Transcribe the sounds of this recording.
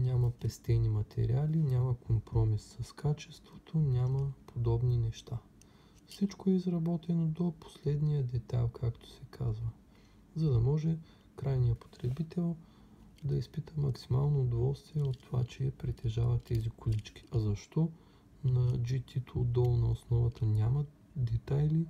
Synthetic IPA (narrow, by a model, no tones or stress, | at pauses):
nʲamɐpɛst̪ɛnimɐt̪ʰɛ̰ɾialinʲamɐkʰompɾɔmisːɐskʰat͡ʃɛst̪vot̪ʰonʲaməpʰod̪ɔbninɛʃt̪a | fsit͡ʃkoɛizɾɐbɔt̪ɛnod̪opo̥slɛd̪nijəd̪ɛt̪a̰lˠkʰakt̪o̥sɛkʰazvə | zɐd̪ɐmɔʒɛ | kɾajnijəpo̥t̪ɾɛbit̪ɛlˠ | d̪ɐispit̪ʰəmɐksima̰lˠnoːd̪ovɔlˠst̪viɛot̪ːova̰t͡ʃɛɐpɾit̪ɛʒavɐt̪ːɛzikolit͡ʃkʲi̥ʔɐzɐʃt̪ɔ | nɐd͡ʒit̪ʰit̪od̪ɔlˠnɐosnɔvɐt̪ənʲamɐ | d̪ɛt̪ajli